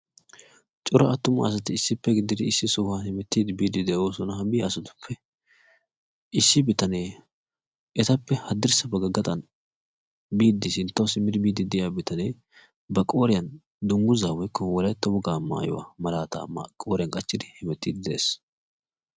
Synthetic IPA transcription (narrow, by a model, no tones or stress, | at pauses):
t͡ʃʼʊɾɐɐt̪ːʊmɐɐs̬ɐt̪ɪɪsːɪpːɛɡɪd̪ːɪd̪ɪːsːɪsʊhanhɪmɛt̪ːiːd̪ɪbiːd̪ɪd̪ɛʔo̞ːsɔnɐɦɐbɪɐsɐt̪ʊ̥pʰːɛ | ɪsːɪbɪt̪ɐneː | ʔɛt̪ɐpːɛhɐd̪ːɪɾsɐbɐɡɐɡɐt̪ʼɐn | biːd̪ːɪsɪnt̪ːɐwsɪmːɪd̪ɪbiːd̪ːɪd̪ɛjabɪt̪ɐneː | bɐkʼo̞ːɾɪjɐn | d̪ʊŋɡʊzaːwɔjkːɔwɔlɐjt̪ːɔbʊɡaːmːa̰ːjɔ̰wa̰ːmɐlaːt̪a̰mkʼoːɾɪjɐnkʼɐt͡ʃːɪd̪ɪhɛmɛt̪ːiːd̪ɪd̪ɛʔḛːs